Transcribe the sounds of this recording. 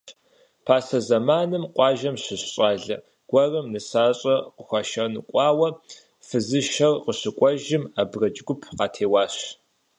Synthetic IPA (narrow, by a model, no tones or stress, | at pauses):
pʰaːsɐzɐmaːnɨmqʷɑːʒɐmɕɪɕɕʼɑːɮɐ̰ | ɡ̥ʷɐrɐmnɨsaːɕʼɐqəxʷɐʃɐnɨkʷʼɑːwɐ | fɨzɨʃɐrqəɕɪkʷʼɔʒɪmabrɐt͡ʃʼɡʷʊpʰqɑːtʰeːwɑːɕ